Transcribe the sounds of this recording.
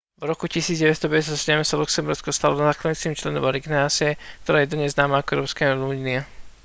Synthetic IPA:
vɾɔkucisiːd͡zɟɛʋɛst̪ɔcɛʋɛɟɛs̬jasɛɟɛmɛsaluksambɔɾskɔst̪alɔnazaːklaisimt͡ʃlɛnɔ̰ʋaɾiɡnaːsiɛk̚t̪ɔɾaːjɛd̪ɔɲɛznaːmaakɔɛʊɾɔpskauːnnɪa

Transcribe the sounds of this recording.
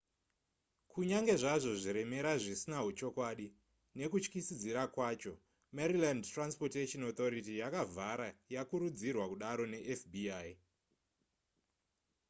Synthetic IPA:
kuɲaŋɡe̞ʐaʐo̞ʐiɾe̞me̞ɾaʐisinaɦut͡ʃo̞kwaɗi | ne̞kut͡ʃkisid͡ziɾakwaːt͡ʃo̞ | meɾilandtranspoteʃonot̪o̞ɾitijakavʱaɾajakuɾud͡zirwakuɗaɾo̞ne̞ʔefbiai

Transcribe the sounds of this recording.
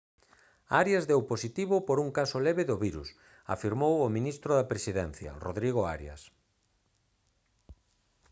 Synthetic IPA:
aɾjazðewposit̪iβopoɾuŋkasolɛβeðʊβiɾṵs | a̰fiɾmowomĩnist̪ɾʊðɐpɾesiðɛn̟θjɐ̰ro̰ðɾiɣ̞oa̰ɾja̰s

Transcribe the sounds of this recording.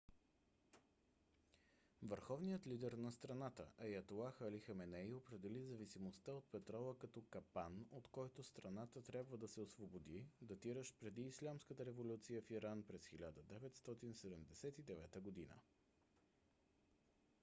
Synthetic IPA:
vəɾxɔvnijət̪lid̪ɛɾnɐst̪ɾɐnat̪ə̰ʔɐjɐt̪oaxɐlixɐmɛnɛjopɾɛd̪ɛlizɐvisimost̪əot̪̚pɛt̪ɾɔlˠəkɐt̪ɔkɐpanot̪kɔjt̪ost̪ɾɐnat̪ət̪ɾʲabvəd̪ɐsɛosvobod̪id̪ɐt̪iɾəʃpɾɛd̪iːslʲamskət̪əɾɛvolʲut̪sijəfiɾanpɾɛsxilʲad̪əd̪ɛvɛt̪st̪ɔt̪insɛd̪ɛmd̪ɛsɛt̪id̪ɛvɛt̪əɡod̪inə̰

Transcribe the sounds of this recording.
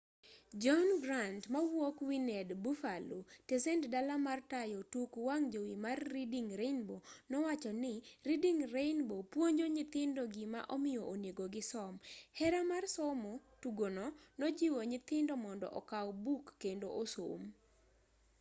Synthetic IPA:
d͡ʒɔnɡɾantmawɔkwinɛdbufalutesɛntdalamartajɔtukwaŋd͡ʒowimarːidiŋɾenbonɔwat͡ʃɔnɪɾidiŋreɪnbopwoɲd͡ʒoɲɪt̪ɪndoɡɪma̰ʔɔmɪjɔʔoneɡoɡɪsɔmhɛɾamarsɔmɔtuɡonɔnod͡ʒɪwɔɲɪt̪ɪndomɔndɔ̰ʔɔkawbukːendoʔoso̰m

